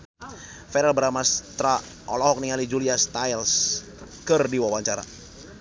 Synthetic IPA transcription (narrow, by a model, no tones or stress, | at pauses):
fɛɾɛlbəɾamast̪ɾa | ʔɔlɔɦɔk̚niŋalid͡ʒuliast̪ajls | kərdiwawaɲt͡ʃaɾa̰